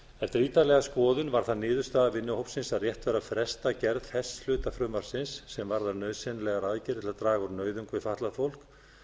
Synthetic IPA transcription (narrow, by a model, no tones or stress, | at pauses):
ɛft̪ɪɾiːt̪alɛɣaskɔːðʏnvaɾ̥θaðnɪːðʏɾst̪aːðavɪnːʏhowpsɪnsaðrjɛht̪vɛːɾafɾɛst̪acɛɾðhɛst̪lʏːt̪afɾʏːmaɾ̥sɪnsːɛmvaɾðanœːɥsɛnlɛɣaɾaːðcɪɾt̪ʰɪlat̪ɾaːɣaɾnœːɥðʏŋkvɪfaht̪laðfowl̥k